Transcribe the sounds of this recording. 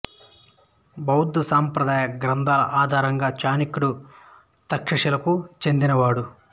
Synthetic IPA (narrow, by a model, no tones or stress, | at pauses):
bɐwud̪ːusaːmpɾɐd̪aːjɐɡɾɐnd̪ʱaːlɐ̰ʔaːd̪ʱaːɾɐŋɡaːt͡ʃaːnikuɽu | t̪ɐkʂɐʂɐlɐkut͡ʃe̞nd̪inɐʋaːɽu